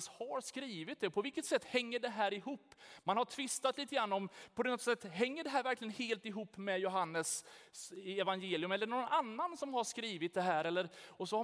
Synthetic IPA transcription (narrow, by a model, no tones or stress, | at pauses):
shaɾʂkɾiːvɪt̪̚d̪ɛpʰɔvɪlkət̪sɛt̪ːhɛŋːəɖɛɦæːɾɪɦuːpːmanhaʈʰvɪst̪at̪liːt̪əɡɾanːɔmpʰɔd̪ɔt̪sɛt̪ːɦɛŋːəɖɛɦæːɾvæɾklɪɡənheːlt̪ɪɦuːpːmɛjʊɦanːəs | ɛvanjeːlɪjɵmɛlːəɳɔːɡɔnanːansɔmhaʂkɾiːvɪt̪̚d̪ɛɦæːɾɛlːəɾɔsɔha